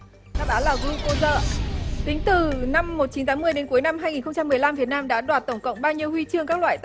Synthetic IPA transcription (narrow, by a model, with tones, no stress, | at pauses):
aː˧˦˥ɓaː˨˦laː˨˩ɣɨ˧ko˧zə̰ː˧˨t̪ï˨˦ŋ̟t̪ɨ˨˩na˧mːo˨˩t̚t͡ɕi˨˦nt̪aː˨˦mɨ˧əjɗe˨˦nku˨˦əjna˧mɦaː˧jŋi˨˩nxə˧ŋ͡mt͡ɕa˧mː˨˩əjla˧mvi˨˩ənaː˧mɗa̰ː˧˥ɗwaː˨˩t̚t̪ə˧˩ŋ͡mkə̰˧˨wŋ͡mɓaː˧wɲi˧əwhwi˧t͡ɕɨ˧əŋkaː˦˥k̚lwa̰ː˧˨jt̪